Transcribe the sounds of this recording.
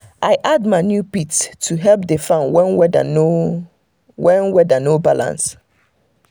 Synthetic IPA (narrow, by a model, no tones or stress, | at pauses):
ʔaɪʔad̚maɪnjupitstʰːuɦɛlp̚defãnwɛ̃nwɛda̰no | wɛ̃nwɛdənobalã̰ns